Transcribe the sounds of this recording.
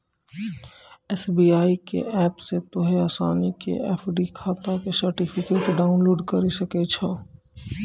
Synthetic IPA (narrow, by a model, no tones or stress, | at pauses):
ɛːsbiːaːikḛʔɛːpset̪oɦeaːsa̰ːnikḛɛ̰ːpʰɖikʰaːt̪akesɐɾʈipʰɪkeːʈɖaːʊnloːɖkɐɾisɐket͡ʃʰaː